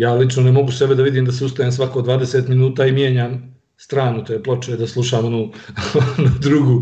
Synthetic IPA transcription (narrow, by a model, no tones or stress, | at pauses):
jaːlit͡ʃnonemo̞ɡuse̞be̞d̪aʋid̪iːmd̪aseust̪ajems̬ʋakoːd̪ʋaːd̪e̞seːt̪minuːt̪aːimjeːɲaːm | st̪ɾaːnut̪oːjeplˠot͡ʃed̪aslˠuʃaːmonuː | nad̪ɾuɡuː